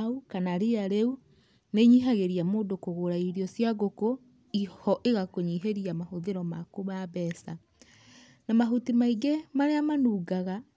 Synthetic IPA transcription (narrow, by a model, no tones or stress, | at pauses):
ukanaɾeaɾeu | neɲiɦaɣeɾiamoːdokoɣoɾaiɾiɔsjaɣoko | ihɔʔeɣakoɲiɦeɾiamahoðeɾɔmakoβaβɛːsa | namaɦutimaiɡemaɾeamanuːɡaɣa